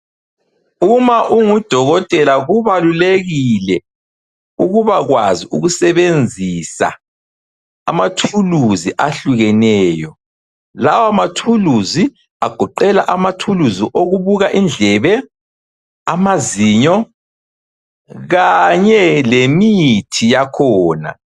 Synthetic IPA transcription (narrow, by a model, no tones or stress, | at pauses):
umaʔuŋud̥ʱɔɣɔtʼɛlaɣuβaluleɣilɛ | uɣuβaɣwaziuɣusɛβend͡zʱisa̰ | a̰matʰuluziʔaɬuɣɛnɛːjɔ | lawamatʰuluzi | aɡ̥ʱɔǃɛlaʔamatʰuluziʔoɣuβuɣaʔind͡ɮʱɛβɛ | amaziɲɔ | ɣaɲɛlemitʰijakʰɔːna̰